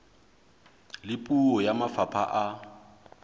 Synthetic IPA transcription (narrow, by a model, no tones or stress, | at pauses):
lɪpʼuɔjamafapʰa̰ʔa